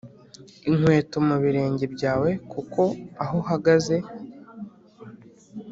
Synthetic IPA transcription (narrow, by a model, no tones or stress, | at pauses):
iŋ̥we̞ːtomuβiɾe̞ːɲɟe̞bɟaːwe̞kʰuko̞aɦohaɡaze̞